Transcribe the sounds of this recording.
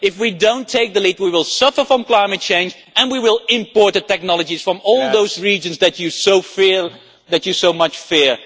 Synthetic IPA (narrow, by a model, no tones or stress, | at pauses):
ɪfwidõʊ̃ntʰeɪk̚ðəlit̚wiwɪlˠsʌfə˞fɹʌ̃mkl̥aɪ̃mɨt̚t͡ʃẽɪ̃nd͡ʒ | ɨ̃nwiwɪlˠɪ̃mpɔɹt̚ɨtɛk̚nɑlˠəd͡ʒiz̥fɹʌ̃mɔlˠðoʊzɹid͡ʒɨ̃nzðɨt͡ʃɨsoʊfɪ | ðɨt͡ʃɨsoʊmʌt͡ʃfɪɹ